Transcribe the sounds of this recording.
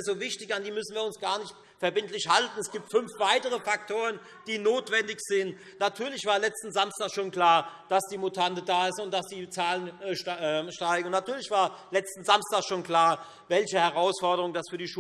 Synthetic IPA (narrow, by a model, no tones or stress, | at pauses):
zoːvɪçtɪçandiːmʏsn̩viːɐʊnsɡ̥aːɐnɪçt | fɛɐbɪntlɪçhaltn̩ɛsɡ̥iːp̚tfʏnfv̥aɪtəʁ̞əfak̚tʰoːʁən | d̥iːnoːtv̥ɛndɪçz̥ɪn | natʰyːɐlɪçv̥aːɐlɛt͡stn̩zamstaːsʃoːnkl̥aːɐd̥asd̥iːmutʰantədaːɪstʊnt̚d̥asd̥iːt͡saːlənʃɛʃtaɪɡŋ̩ʊnatʰyːɐlɪçv̥aːɐlɛt͡stn̩zamstaːsʃoːnkl̥aːɐ | vɛlçəhɛʁ̞aʊsfɔɐdəʁʊŋd̥asfyːɐdiːʃu